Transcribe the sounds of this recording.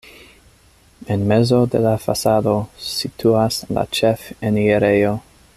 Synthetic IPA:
enme̞zo̞de̞̰lafa̰sado̞sitʰuasla̰t͡ʃefenieɾe̞jo̞

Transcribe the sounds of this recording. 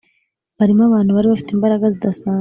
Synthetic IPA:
βaɾimaβaːn̥huβaɾiβafi̥teːmbaɾaɡazidasaː

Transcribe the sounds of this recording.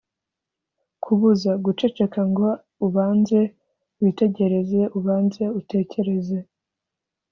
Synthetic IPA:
kʰuβuzaɡut͡ʃe̞t͡ʃe̞kaŋɡo̞ | uβaːnze̞ | wite̞ɟe̞ɾe̞ze̞ʔuβaːnze̞ute̞ːce̞ɾe̞ze̞

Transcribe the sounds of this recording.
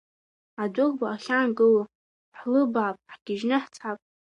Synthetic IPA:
adʷʊrbaːχʲanɡɨl | ħlɨbʕapʼħɡ̥ʲɪʒnɨħt͡sʰʼapʼ

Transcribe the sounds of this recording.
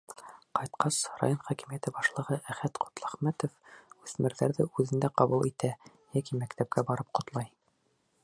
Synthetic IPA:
qɑjt̪qɑsɾa̰jonχækɘ̆mijæt̪ɘbɑʃlˠɤ̆ʁɤʔæχæt̪qʰŏ̥t̪lˠɑχmæt̪ŏfʉθmɘ̆ɾðæɾðɘʔʉðɘ̆nd̪æqɑβulˠit̪æ | jækimækt̪æp̚kæbɑɾɤp̚qŏt̪lˠɑj

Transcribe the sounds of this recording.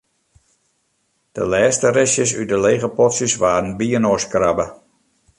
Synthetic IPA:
d̥ə̰lɛːstəɾɪsjəsydəleːɣəpɔtsjəsʋaːɾn̩biənoskrabə

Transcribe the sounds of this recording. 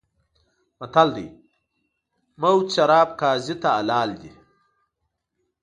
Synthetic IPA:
mɐt̪ʰɐld̪ḭj | mɐwt̪ɕɐɾaːb̚kaːzit̪aːlaːld̪i

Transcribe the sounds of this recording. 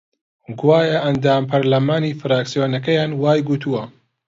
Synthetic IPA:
ɡwaːjɐʔɐnd̪aːmpʰɐɾlɐmaːnifɨɾaːksijoːnɐkɐjaːnwaːjɡut̪ʰuwɐ

